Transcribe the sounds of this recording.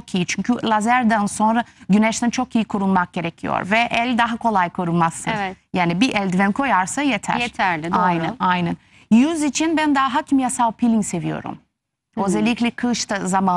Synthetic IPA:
okʰijit͡ʃʰyɲcʰylˠazæɾd̪ænso̞nɾaɟynɛʃt̪ʰænt͡ʃʰo̞kʰijikʰuɾulˠmak̚ɟe̞ɾecʰijo̰ɾvɛʔɛlʲd̪aɦakʰo̞lˠajkʰo̞ɾulˠmasːɯ̰jaːnibiʔɛlʲd̪ivɛnkʰo̞jaɾsajet̪ʰæ̰ɾet̪ʰæɾajnæajnæn | jyzit͡ʃʰinbænd̪aɦacimjasawpʰilʲiŋse̞vijo̞̰ɾṵm | øzɛlʲːicʲlʲɛkʰɯʃt̪ʰazama

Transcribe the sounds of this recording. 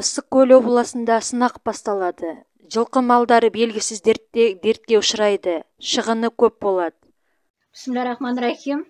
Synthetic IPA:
əsəq̚kʲʰːɵloblˠɑsənd̪ɑsənɑqbɑst̪ɑlˠɑd̪ə | ʒəlˠqəmɑlˠd̪ɑɾəbe̞lɡʲɪsɪzd̪eɾt̪ed̪e̞ɾt̪̚kʲe̞ʊʃəɾɑjd̪ə | ʃəʁənəkʲʰɵp̚bo̞lˠɑd̪ə̥ | səmlɑɾɑχmɑnɾɑxʲim

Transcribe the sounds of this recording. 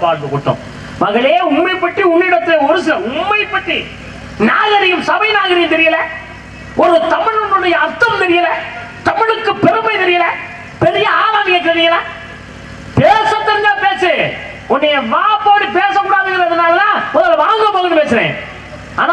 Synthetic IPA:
paːɾkɯkːʊʈːʊ̰̃ | mɐɣɐɭeːʊmːɐɪpːɐʈːiʊmːɪɪɽɐt̪ːɪlɐʊɾɯs̬ɪlɐʊmːɐɪpːɐʈːi | naːɣɐɾɪjɯmsɐʋɐɪnaːɣɐɾɪjɐnt̪ɛɾɪjɐlɛ̃ | ɔɾɯt̪ɐmɪɭʊɳɯnɐjɐɐɾt̪ːɐmt̪ɛɾɪjɐlɛ̃ | t̪ɐmɪɻɯkːɯpɛɾɯmɐɪt̪ɛɾɪjɐlɛ̃ | pɛɾɪjɐaːlaːlɪjɐt̪ɛɾɪjɐlɛ̃ | peːsɐt̪ːɐɾŋɡɐːpeːsɯ | ʊnːɐjɐʋaːɐpoːɽipeːsɐmʊɽaːðɯɣɐlɐðɐnaːlɐlãːmɔðɐlʋaːŋɡɐpoːɣɐnɯpeːsɪɾḛ̃ː | aːna

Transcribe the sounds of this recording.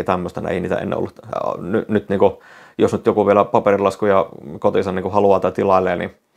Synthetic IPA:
t̪æmːøst̪ɑnḭḛˑiniːt̪æ̰ḛn̰ːo̰lːut̪nynyt̪niːku | josnyt̪jokuʋielæpɑperilɑskujɑkot̪isɑniːkuhɑluɑːt̪ɑt̪ilɑilːeːnḭ

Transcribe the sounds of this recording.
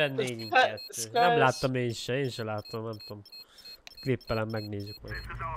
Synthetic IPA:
ɛnːeːɲyŋɛt̪ːøːnɛmlaːt̪ːɒmeːnʃɛeːnʃɛlaːt̪ɔmnɛmt̪o̞ːm | klipːɛlɛmːɛɡneːzykmɒj

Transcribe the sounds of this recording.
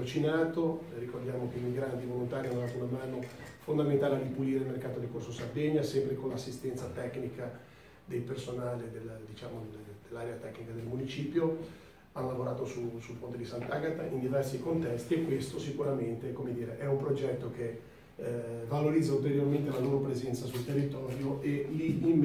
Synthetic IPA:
ut͡ʃinaːt̪orikord̪jaːmok̟eimiɡɾant̪ivolont̪aːɾianːoazonamaːnofond̪ament̪aːlead̪ipuliːɾeilmerkaːt̪od̪elkorsosard̪eɲːasɛmpɾekonlasːist̪ɛnt̪sat̪ɛknika | d̪ejpersonaːled̪eld̪it͡ʃaːmod̪̥elːaːɾeat̪ɛkːnikad̪elmunit͡ʃiːpjo | anlavoɾaːt̪osusulpont̪ed̪isant̪aːɡat̪aʔind̪ivɛrsikont̪ɛst̪iekːwest̪osikuɾament̪ekomed̪iːɾeʔɛumpɾod͡ʒɛt̪ːok̟e | valoɾid̪zːault̪eɾjorment̪elanompɾezɛnt̪sasult̪erːit̪ɔːɾjoʔeliim

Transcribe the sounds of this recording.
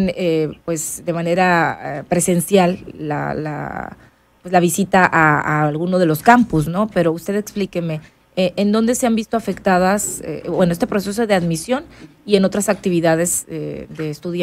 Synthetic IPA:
nepwe̞zd̪e̞mane̞ɾaepɾe̞se̞nsjalːa̰la̰ | pwe̞zlaβ̞isit̪aʔaaːlɣuno̞ðe̞lo̞skampus̬no̞pe̞ɾo̞ust̪e̞ðe̞ksplike̞me̞ | eʔend̪o̞nd̪e̞se̞ambist̪oafe̞kt̪aðasḛbwe̞noe̞st̪epɾo̞ses̬o̞ðeaðmisjo̞nie̞no̞t̪ɾasak̚t̪iβ̞iðaðe̞zed̪e̞ːst̪uðj

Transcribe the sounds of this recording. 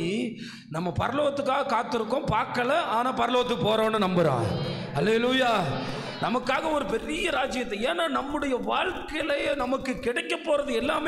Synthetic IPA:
i | nɐmːɐpɐɾɐloːɣɐt̪ːɯkːaːɣɐkaːt̪ːɯɾɯkːõpaːkːɐlɐʔaːnaːpɐɾɐloːɣɐt̪ːɯkːɯpoːɾõːnːɯnɐmbɐɾã̰ː | hɐleːlujaː | nɐmɐkːaːɣɐɔɾɯpɛɾɪjɐɾaːd͡ʒɪjɐt̪ːɛ̃eːnːaːnɐmːɯɽɐjɐʋaːɻkɐlɐnɐmɐkːɯkɪɽɐɪkːɐpːoːɾɐðɯɛlːaːm

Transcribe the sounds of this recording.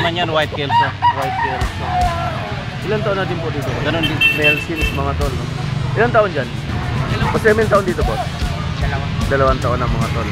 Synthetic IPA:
mɐɲjanwajt̪̚kɛlsawajt̪̚kɛlso | ʔɪlant̪aʔonːaːt̪̬ɪnpod̪iːt̪oɡɐnonɪmɛlsɪnsmɐŋat̪olːoʔɪlant̪aʔond͡ʒan | osɛmɪnt̪aʔond̪iːt̪opot | ɐl | d̪ɐlɐwant̪aʔonɐŋmɐŋat̪on

